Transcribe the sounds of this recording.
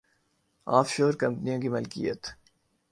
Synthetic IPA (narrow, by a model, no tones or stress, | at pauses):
aːfʃoːɾkɐmpnijãːkimɪlkḭjə̰t̪